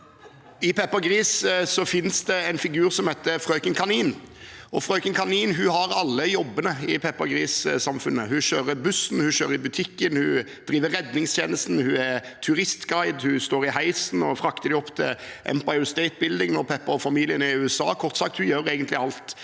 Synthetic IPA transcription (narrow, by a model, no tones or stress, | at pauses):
ɪpʰɛpːɑɡɾiːssɔfɪnsd̪ɛɛnfɪɡʉːʁsɔmhɛɪt̪ːəfɾœʏkənkʰɑniːnɔfɾœʏkənkʰɑniːnɦʉɦɑɾɑlːəjɔbːənəɪpʰɛpːɑɡɾiːssɑmfʉnːəhʉɕøːɾəbʉsn̩hʉɕøːɾəɾɪbʉt̪ʰɪkːənhʉ | d̪̥ɾiːʋəɾːɛd̪nɪŋst̪jeːnəst̪n̩hʉɛ | t̪ʰʉɾɪst̪ɡɑɪd̪hʉst̪oːɾɪhæɪsnɔfɾɑkt̪əd̪ɪɔpːt̪ʰɪ̰ʔɛ̰mpɑɪʉst̪ɛɪt̪̚bɪld̪ɪŋnɔɾpʰɛpːɑɔfɑmiːlɪənɪʉːɛsɑ̰ːkʰɔʁt̪sɑk̚t̪hʉjøːɾeːɡənt̪lɪɑlt̪